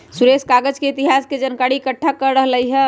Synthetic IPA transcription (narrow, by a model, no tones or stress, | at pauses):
suɾeskaɡəd͡ʒkeit̪iɦasked͡ʒənkaɽiːkəʈʰːakəɾəɦləjɦɛ